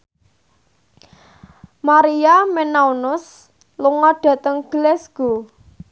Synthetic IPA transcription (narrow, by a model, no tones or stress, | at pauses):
maɾiamenaunʊs | luŋɔɖ̥ä̤t̪əŋɡ̥lɛsɡ̥o